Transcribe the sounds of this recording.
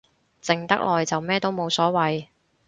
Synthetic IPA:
t͡sɪ˨˩ŋt̪ɐ̰˥k̚lʔɔː˨jt͡sɐ˨wmɛː˥t̪o˥wmo˨˧wsɔː˨˥wɐ˨j

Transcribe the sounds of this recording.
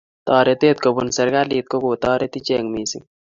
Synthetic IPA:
t̪ɑː˨ɾet̪eːt̪̚ko˨bunsɐ˨ɾɡaliː˨t̪̚ko˦ɡoː˨t̪ɔː˦ɾet̪i˦t͡ʃe˨ŋmiː˨sḭ

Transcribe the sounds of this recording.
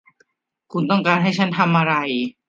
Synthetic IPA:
kʰu˧nt̪ɔ˥˩ŋkaː˧nɦa˥˩jt͡ɕʰa˦˥nt̪ʰa˧mʔa˧ɾa˧j

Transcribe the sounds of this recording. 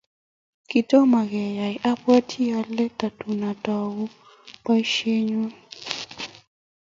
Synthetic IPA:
ki˨tɔ˦ma˨ɣɛ˨ja˨jʔa˦pa˦tʰi˦a˦lːɛ˦ta˨tu˨na˨tɔ˨wu˦ | pa˦i˦ʃe˦ɲu˦

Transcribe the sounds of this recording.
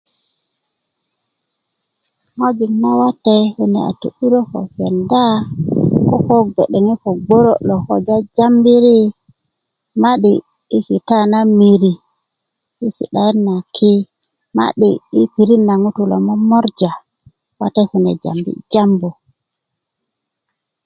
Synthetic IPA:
ŋo˦d͡ʒi˨ŋna˦wa˦tːɛ˦hu˦nɛ̰˨a̰˨tu˨ɗi˦ɾo˦ko˨fɛ˨nda˦ | kɔ˦ko˦be˨ɗɛ˨ŋi˦kɔ˨ɡo˦ɾo̰˦lɔ˨ko̰˨d͡ʒa˦d͡ʒa˦mbi˦ɾi˦ | ma˦ɗiː˦ | ki˨ta˦na˦mi˨ɾi˨ | i˦sḭ˨ɗa˨jɛ˦nːa˨kʰi˦ | ma̰˦ɗiː˨˦pi˨ɾi˦nːa˨ŋu˦tu˨lo̰˨mɔ˦mɔ˦ɾd͡ʒa˨ | wa˦tɛ˦fu˨nɛ˨d͡ʒa̰˨mbḭ˦d͡ʒa˦mbu˨

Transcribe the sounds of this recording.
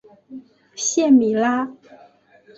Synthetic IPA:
ɕjɛ˥˩˨nmi˨˩la˥

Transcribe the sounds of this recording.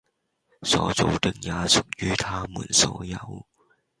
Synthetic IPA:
sɔ̰ː˨˥t͡so˨wt̪ɪ˥k̚jaː˨˧sʊ˨˩k̚jyː˥t̪ʰaː˥mṵː˨˩nso˨˥wjɐ˨˧w

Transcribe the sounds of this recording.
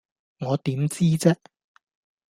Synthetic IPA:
ŋɔː˨˧t̪iː˨˥mt͡siː˥t͡sɛː˥

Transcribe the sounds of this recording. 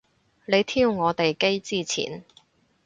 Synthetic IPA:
le˨˧jt̪ʰiː˥wŋɔː˨˧t̪e˨jke˥jt͡siː˥t͡sʰḭː˨˩n

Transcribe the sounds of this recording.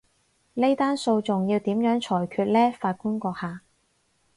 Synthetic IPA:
le˥jt̪aː˥nso˧wt͡sʊ˨ŋjiː˧wt̪iː˨˥mjœː˨˥ŋt͡ʃʰɔː˨˩jkʰyː˧t̚lɛː˥faː˧t̚ku˥nkʷɔː˧k̚haː˨

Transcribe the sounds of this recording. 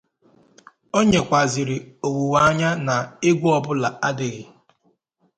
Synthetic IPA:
o˦ɲe˨kʷa˨zɪ˨ɾɪ˨o˨wu˨wa˦a˦ɲa˦na˨e˦ɡʷu˦ɔ˦bʊ˦la˨a˦dɪ˨ɣɪ˨

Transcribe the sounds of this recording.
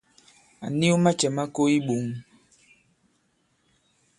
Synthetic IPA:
a̰˨ni˦u˦ma˦t͡ʃɛ˨ma˦ko˦i˦ɓu˨ŋ

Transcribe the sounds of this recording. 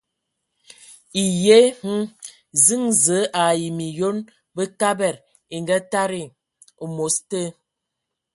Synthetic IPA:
i˨je˦h̩˦ | zi˦ŋzə˨˦ʔa˨ji˨mi˨jo˦n | bə˦ka˦bɛ˦˨ɾ | e˨ŋɡa˦ta˦ɾi˦˨ | o˨mo˨˦stə˦

